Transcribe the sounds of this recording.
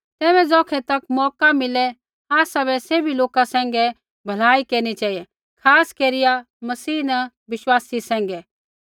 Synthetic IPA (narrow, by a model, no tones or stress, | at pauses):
t̪ɛːbɛ̃d͡zɔːkʰɛt̪ɐkmɔːkamɪlɛ | aːsabɛseːbʱiloːkasɛ̃ːŋɡɛ | bʱɐlaːikeːɾñit͡ʃaːijɛ | kʰaːskeːɾɪja | mɐsiːnɛ | ʋɪʃwaːsisɛ̃ːŋɡɛ